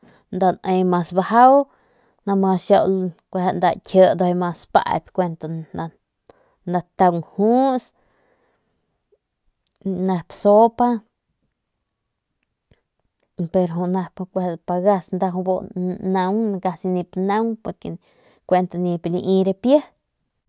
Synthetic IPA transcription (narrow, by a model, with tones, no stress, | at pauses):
nd̪a˧ne˧jma˧sba˧ha˦w | na˧ma˧sʃa˧wlkʷa˧ha˧nd̪a˧tʲʰə˧d̪o˧a˧ma˧spa̰˧bʲkʷe˧nt̪a˧a˧ | nd̪a˧t̪a˧ŋhu˦s | na˧pso˦pa˦ | pe˧ɾɦu˧na˧pkʷa˧pa˧ɡa˧snd̪a˧ɦu˧bo˧na˧wnɡa˧si˧ni˧pna˦ŋpo˧ɾkḛ˧ | kʷe˧nt̪a˧ni˧pli˧ʔĩ˧ɾe˧pjə˦